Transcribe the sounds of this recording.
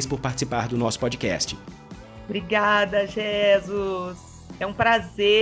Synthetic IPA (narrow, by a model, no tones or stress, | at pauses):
jspʊɾpaɾt͡ʃɪ̥sipaɾd̪ʊnɔsʊ̥pɔd͡ʒikɛ̰st͡ʃɪ̥ | bɾiɡad̪ɐʒezʊs | ɛũpɾaze